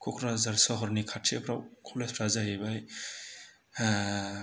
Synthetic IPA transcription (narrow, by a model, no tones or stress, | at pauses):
kʰokʰɾazaɾsɔɦɔɾnikʰaʈt͡ʃʰepʰɾa̰wkʰɔlespʰɾazaɦebaj